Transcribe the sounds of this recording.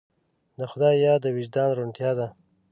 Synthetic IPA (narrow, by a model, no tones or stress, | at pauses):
d̪əxʊd̪ɑjɑd̪əwɪʒd̪ɑnɾuɳʈ̪jɑd̪a